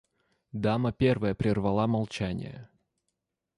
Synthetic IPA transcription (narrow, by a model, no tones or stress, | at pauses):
d̪aməpʲervəjəpɾʲɪrvɐlˠamɐlˠt͡ɕænʲɪ̰jə̰